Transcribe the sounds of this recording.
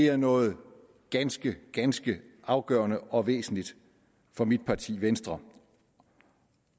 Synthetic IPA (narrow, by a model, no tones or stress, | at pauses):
e̝æɐnɔ̽ːð̞̩ˠ | ɡ̥ænsɡ̥əɡ̥ænsɡ̥əʔɑ̈ʊɡ̥ɶ̰ːɐnəɒ̽ʋḛːsn̩lid̥ | fɒ̽mid̥̚pʰɑ̈t͡sʰḭːʋensd̥ʁɐ